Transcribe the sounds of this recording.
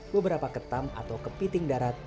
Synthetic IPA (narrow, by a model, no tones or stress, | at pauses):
bəbəɾapakət̪ama̰t̪awkəpit̪ɪŋdaɾat̪̚